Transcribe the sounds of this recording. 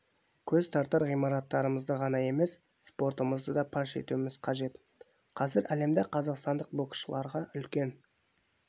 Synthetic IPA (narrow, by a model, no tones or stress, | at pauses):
kʲʰɵzt̪ʰɑɾt̪əɾʁijmɑɾɑt̪ːɑɾəməzd̪əʁɑnɑe̞me̞s | spo̞ɾt̪əməzd̪əd̪ɑpʰɑʃe̞̰t̪uɪmɪz̥qʰɑʒe̞t̪ | qʰɑzɪɾæle̞md̪eqʰɑzɑqst̪ɑnd̪əq̚bokʃəlˠɑɾʁɑʔʏlkʲe̞n